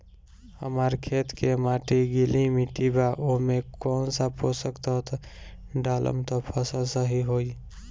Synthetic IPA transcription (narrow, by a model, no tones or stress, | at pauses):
hə̰maːɾkʰeːt̪kemaːʈiɡilimiʈibaʔoɦmẽkɔːnsaposəkt̪at̪ɖaːlʔə̰mt̪ɔpʰəsəsəɦiɦoːi